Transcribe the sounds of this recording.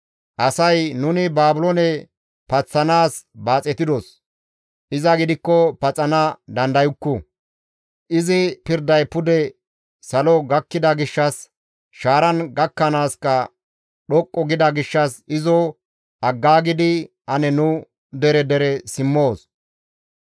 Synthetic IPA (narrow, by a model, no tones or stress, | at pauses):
ʔɐsɐjnʊnɪbaːbʊlɔnɛ | pɐt͡sːɐnaːsbaːt͡sʼɛt̪ɪd̪ɔs | ʔɪzɐɡɪd̪ɪkːɔpɐt͡sʼɐnɐd̪ɐnd̪ɐjʊkːʊ | ʔɪzɪpɪɾd̪ɐjpʊd̪ɛ | sɐlɔɡɐkːɪd̪ɐɡɪʃːɐs | ʃaːɾɐnɡɐkːɐnaːskɐ | ɗɔkʼːɔɡɪd̪ɐɡɪʃːɐsɪzɔ | ɐɡːaːɡɪd̪ɪ | ɐnɛnʊ | d̪ɛɾɛd̪ɛɾɛsɪmːoːs